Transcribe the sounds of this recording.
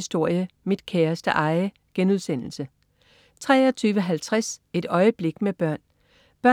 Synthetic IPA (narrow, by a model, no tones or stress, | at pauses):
isd̥o̝ɐ̰jəmid̥kʰɛːɐsd̥əʔɑ̈ɪ | ɡ̥enuð̞ˠsen̰l̩sə | t͡sʰʁɛ̰ːɒt͡sʰyːʋəɦælt͡sʰʁase̝d̥ɒ̽ɪəb̥le̝ɡ̥meb̥ɶɐ̰n | b̥ɶɐ